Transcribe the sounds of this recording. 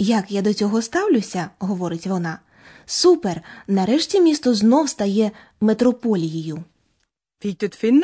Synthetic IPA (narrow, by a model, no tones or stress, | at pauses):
jɐkjad̪ɔt͡sʲɔɦɔst̪ɑwlʲʊsʲɐɦɔʋɔɾɪtʲʋɔnɑ | supernɐɾɛʃtʲimʲist̪ɔznɔwst̪ɐjɛ | met̪ɾɔpɔlʲijijʊ | fit̪ət̪fin